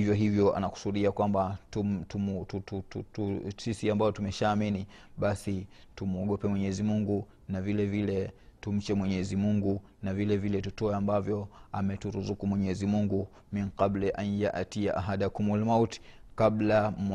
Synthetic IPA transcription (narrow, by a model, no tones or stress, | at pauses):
ivjɔɦivjɔa̰naku̥suɗiakwamba | tutututusisiambaɔtumɛʃaːmini | ɓasi | tumɔɠɔpɛmwɛɲɛzimuŋɡu | navilɛvilɛtum̩t͡ʃɛmwɛɲɛzimuŋɡu | navilɛvilɛtutɔɛambavjɔamɛtuɾuzukumwɛɲɛzimuŋɡu | miŋqablaʔanjaʔatiaʔaɦadiakumulmauti̥kabla